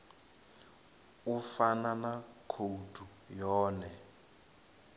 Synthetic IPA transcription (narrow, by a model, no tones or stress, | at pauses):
ufananakʰodʱu | jɔːnɛ